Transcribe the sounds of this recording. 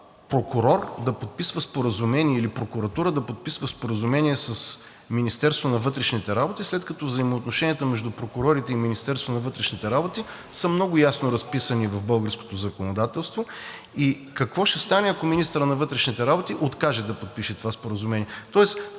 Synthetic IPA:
pɾokʊɾɔɾd̪ɐpot̪̚pisvəspoɾəzumɛniɛilipɾokʊɾɐt̪uɾəd̪ɐpot̪̚pisvəspoɾəzumɛniɛsəs | minist̪ɛɾst̪vonɐvɤt̪ɾɛʃnit̪ɛɾabot̪islɛt̪kɐt̪ɔvzəimoːt̪noʃɛnijət̪əmɛʒd̪upɾokʊɾɔɾit̪ɛiminist̪ɛɾst̪vonɐvɤt̪ɾɛʃnit̪ɛɾabot̪i | səmnɔɡʊjasnoɾɐspisənivɐvbɤlˠɡəɾsko̥t̪ozɐkonod̪at̪ɛlˠst̪vo | i | kɐkvɔʃɛst̪anɛɐkominist̪əɾənɐvɤt̪ɾɛʃnit̪ɛɾabot̪iʔot̪kaʒɛd̪ɐpot̪̚piʃɛt̪ovaspoɾəzumɛniɛt̪ɔɛs

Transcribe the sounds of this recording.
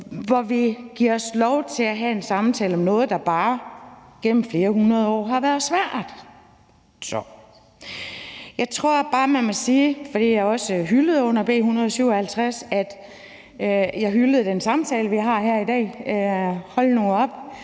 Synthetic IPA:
ʋɒʋiɡ̥iɐɒ̽slɒʊt͡sʰe̝læɦæe̝nsɑ̈mt͡sʰɛːləɒ̽mnɔ̽ːð̩ˠd̥ɑ̈b̥ɑ̈ːɡ̥en̰m̩fle̝ːɐhunɐð̞ˠɒ̰ːɦɑ̈ʋæɐðˠsʋæɐ̰ð̥ˠ | sɒ | jɑ̈ɪt͡sʰʁo̝ɐ̰b̥ɑ̈ːmænmɔsiːfɒd̥ḭːjɑ̈ɪɒ̽səɦyləð̞̩ˠɔ̽n̰ɐb̥e̝̰ːhunʁɐð̞ˠsyʊ̰ɒhælt͡sʰʁasæd̥ | jɑ̈ɪɦyləð̩ˠd̥ensɑ̈mt͡sʰɛːləʋiɦɑ̈ɦæɐ̰idɛ̰ː | hɒ̽lno̝ːɒ̽b̥

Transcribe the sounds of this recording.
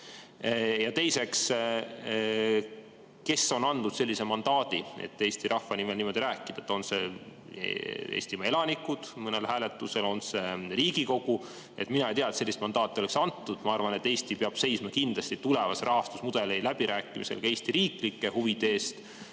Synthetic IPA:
jɑt̪e̞jse̞ks | ke̞so̞nɑnd̪ud̪̥se̞lʲːise̞mɑnd̪̥ɑːd̪̥iḛt̪ˑːe̞ːst̪iɾʔɑhfɑnime̞lnimo̞d̪̥iɾæːkːˑid̪̥ɑet̪ːˑo̞nse̞̰ | ḛːst̪imɑe̞lɑnikːˑud̪̥mɤne̞lhæːle̞t̪ːˑuse̞lo̞nse̞riːɡ̥iko̞ɡ̥u | e̞̰t̪ˑminɑejt̪iɑet̪selːist̪mɑnd̪ɑːt̪ːˑioleksɑnt̪ˑːud̪̥mɑɑrvɑne̞t̪ːe̞ːst̪ipeɑb̥se̞jsmɑkind̪lɑst̪it̪ulevɑsɾʔɑɦɑst̪usmud̪̥e̞lejlæb̥iɾʔæːkːˑimise̞̰lkɑe̞ːst̪iɾiːklikːe̞huvid̪̥eeːst̪

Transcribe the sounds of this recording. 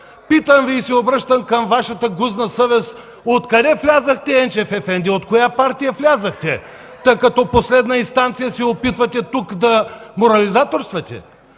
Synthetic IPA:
pit̪əmviːsɛobɾəʃt̪əmkɐmvaʃɐt̪əɡuznɐsəvɛs | ot̪kɐd̪ɛflʲazəxt̪ɛɛnt͡ʃɛfɛfɛnd̪iot̪kojapaɾt̪ijəflʲazəxt̪ɛ | t̪əkɐt̪ɔposlɛd̪nəinst̪ant̪sijəsɛopit̪vɐt̪ɛt̪ukd̪ɐmoɾɐlizat̪oɾst̪vɐt̪ʲɛ̰

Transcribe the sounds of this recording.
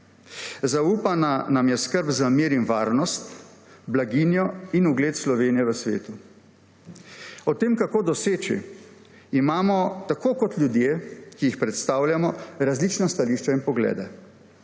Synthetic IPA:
zauːpananamjɛskəɾbzamiːɾinʋaːɾnɔst̪ | blaɡinjɔinuɡleːt̪slɔʋeːnijɛʋəsʋḛːt̪u | ɔt̪eːmkakoːd̪ɔseːt͡ʃḭ | imaːmɔt̪akoːkɔt̪lʲjud̪jeːkijixpɾɛt̪st̪aːwljamɔɾazlit͡ʃnɔst̪aliːʃt͡ʃɛinpɔɡlɛ̰ːd̪ɛ

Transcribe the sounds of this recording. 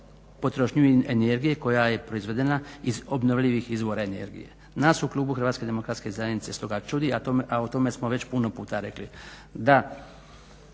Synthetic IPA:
po̞t̪ɾoʃɲueneɾɡije̞ko̞jaje̞pɾo̞izʋe̞d̪e̞naizo̞bnoʋʎʲiʋixizʋo̞ɾaene̞̰ɾɡḭje̞̰ | naːsuklˠuːbuxɾr̩ʋaːt̪ske̞d̪e̞mo̞kɾat̪skezajenit̪se̞st̪o̞ɡat͡ʃud̪iat̪oʔaot̪o̞me̞smo̞ʋe̞t͡ɕpuno̞puːt̪aɾe̞kli | d̪a

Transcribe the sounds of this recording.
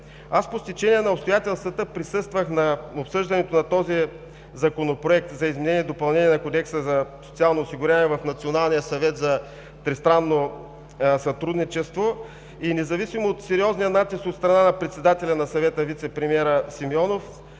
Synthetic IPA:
aspost̪it͡ʃɛniɛnɐopst̪ojat̪ɛlˠst̪vət̪əpɾisɤst̪vəxnɐopsɤʒd̪ɐnɛt̪onɐt̪ɔzi | zɐkonopɾoɛk̚t̪zɐizmɛnɛniɛd̪opɐlˠnɛniɛnɐkod̪ɛksəzɐso̥t̪ialˠnoːsiɡʊɾʲaniɛvɐfnɐt̪sionalˠnijəsɐvɛt̪zɐ | t̪ɾɛst̪ɾanːo | sɐt̪ɾud̪nit͡ʃɛst̪vo | inɛzɐvisimoot̪sɛɾiɔznijənat̪istot̪st̪ɾɐnanɐpɾɛt̪sɛd̪at̪ɛlʲɐnɐsɐvɛt̪əvit̪sɛpɾimiɛɾəsimiɔnof

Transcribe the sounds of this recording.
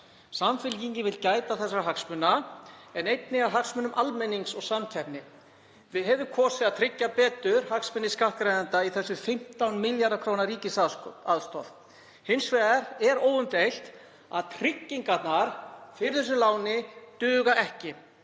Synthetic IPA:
samfɪlciɲcɪvɪlcaːjt̪aθɛsːɾaɦaksmʏnːaɛnejt̪nɪɣaɦaksmʏnʏmʔalmɛniŋksɔɣsamcʰapnɪ | vɪðɦɛvʏkʰɔːsɪðaðt̪ʰɾɪcːapɛːt̪ʏɾ̥haksmʏnːɪskahkɾajðant̪aiθɛsːʏfɪm̥t̪awnmɪljaɾðakʰɾownaɾiːcɪsaaðst̪ɔ̰θ | hɪnsvɛɣaɾɛɾoːwʏmt̪ejl̥t̪ | a̰ðt̪ʰɾɪcːiŋkat̪naɾ̥fɪɾɪθɛs̬ːʏlaːwnɪt̪ʏːɣaʔɛhcɪ

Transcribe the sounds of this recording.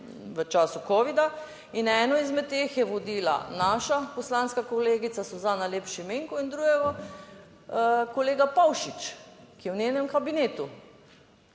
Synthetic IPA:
ʋət͡ʃaːsukɔːʋid̪a | inɛːnɔizmɛt̪̚t̪ːeːxjɛʋɔd̪iːla̰naːʃapɔslaːnskakoleːɡit̪sasɔzaːnaleːpʃimeːŋkuind̪ɾuɡɛɡa | koleːɡapawʃit͡ʃkijɛwnʲenɛmkabineːt̪u

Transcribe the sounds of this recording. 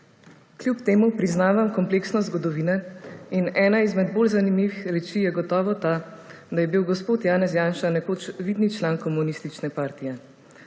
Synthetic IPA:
kljupt̪eːmupɾiznaːʋamkɔmpleːksnɔzɡɔd̪ɔʋiːnɛinɛːnaizmɛd̪̚boːlzanimiʋixɾɛt͡ʃijɛɡɔt̪ɔːʋɔt̪aː | d̪ajɛbiwɡɔspoːt̪jaːnɛsjaːnʃanɛkot͡ʃʋiːd̪nit͡ʃlaːnkɔmunist̪it͡ʃnɛpaːɾt̪ijɛ

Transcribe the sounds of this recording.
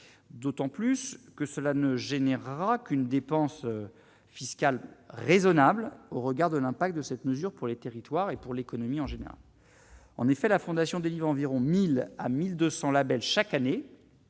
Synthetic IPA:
d̪ot̪ɑ̃plyskəsəlanəʒenɛʁːakʲynd̪epɑ̃s | fiskalʁezɔnabloʁəɡaʁd̪əlɛ̃pak̚t̪̚d̪əsɛt̪məzyʁpuʁlet̪eʁit̪waʁepuʁlekɔnɔmiɑ̃ʒenḛʁa̰l | ɑ̰̃nefɛlafɔ̃d̪asjɔ̃d̪elivʁɑ̃viʁɔ̃mila̰mild̪øsɑ̃labɛlʃakane

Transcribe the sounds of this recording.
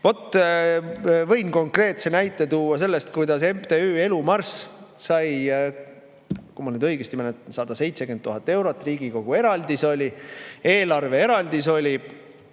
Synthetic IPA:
vo̞t̪ːˑ | vɤ̞jnko̞ŋkre̞ːt̪se̞næjt̪ːˑe̞t̪uːɑs̬e̞lːe̞st̪̚kujd̪̥ɑse̞mt̪e̞ye̞lumɑrssɑj | kumɑlnyːd̪ɤjɡ̥est̪iment̪sɑd̪̥ɑse̞jt̪se̞ɡenːuɦɑt̪ːˑe̞wɾo̞t̪ːˑriːɡiko̞ɡ̥ue̞ɾɑld̪iso̞lʲie̞ːlɑrve̞e̞ɾɑld̪iso̞lʲi

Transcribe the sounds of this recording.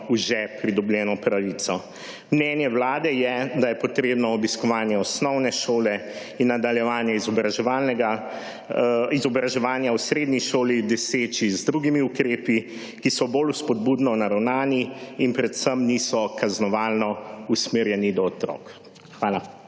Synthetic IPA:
uʒɛpɾid̪ɔbljɛːnɔpɾaʋiːt̪sɔ | mnɛːnjɛwlaːd̪ɛjɛd̪ajɛpɔt̪ɾeːbnɔɔbiskɔʋaːnjɛɔsnɔwnɛʃoːlɛ | inːad̪aljɛʋaːnjɛizɔbɾaʒɛalnɛɡa | izɔbɾaʒɛʋaːnjausɾeːd̪niʃoːlid̪ɔseːt͡ʃizd̪ɾuɡimiukɾeːpi | kisɔboːluspɔd̪̚bud̪nɔwnaɾawnaːniinpɾɛt̪səmnisɔkaznɔʋaːlnɔusmeːɾjɛnid̪ɔːt̪ɾɔ̰ːk | xʋaːla

